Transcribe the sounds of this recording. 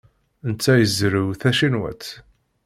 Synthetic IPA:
nt͡sːæjəzɾiwθæʃinwæ̰t͡s

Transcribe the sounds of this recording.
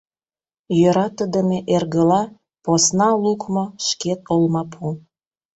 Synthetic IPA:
jøɾɑt̪əd̪əmeʔerɣəlɑ | posnɑlukmoʃket̪̚olmɑpʰu

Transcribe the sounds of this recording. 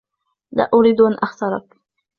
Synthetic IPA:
la̰ːʔʊɾid̪uʔanʔaxt̪ɑɾˤɑ̰k

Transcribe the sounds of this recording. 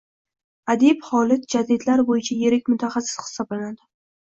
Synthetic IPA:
ad̪ibhɒlɪt̪̚d͡ʒad̪ɪd̪laɾbojɪt͡ʃʰajeɾɪkʲmʊt̪ʰaχasɪ̥sχɨ̥sɒblanad̪ɪ

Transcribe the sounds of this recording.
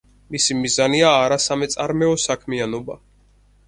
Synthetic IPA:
misimizaniaːɾasamɛt̪sʼaɾmɛɔsakʰmianɔba

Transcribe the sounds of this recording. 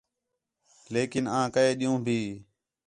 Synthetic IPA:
leːkɪnãːkəeːɗijũːbʱiː

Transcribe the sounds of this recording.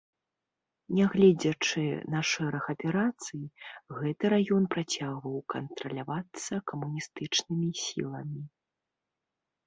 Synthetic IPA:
nʲaɣlʲɛd͡zʲɐt͡ʂɨnɐʂɛɾɐxɐpʲɛɾat̪sɨjɣɛt̪ɨɾajɔnpɾat͡sʲaɣvɐwkɐnt̪ɾɐlʲavat̪sːɐkɐmunʲist̪ɨt͡ʂnɨmʲisʲḭlˠɐmʲi

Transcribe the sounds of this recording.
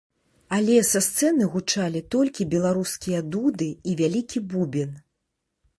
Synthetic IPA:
alʲɛsast̪sɛnɨɣut͡ʂalʲit̪ɔlʲkʲibʲɛlˠaɾuskʲijɐd̪ud̪ɨivʲalʲikʲibubʲin

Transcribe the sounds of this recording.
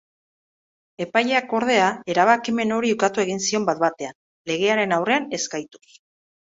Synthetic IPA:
e̞pajʎeako̞ɾð̞e̞ae̞ɾaβ̞akime̞no̞ɾiukat̪ue̞ɣ̞insio̞mbat̪̚bat̪e̞an | le̞ɣ̞e̞aɾe̞nawre̞ane̞skajt̪u̥s

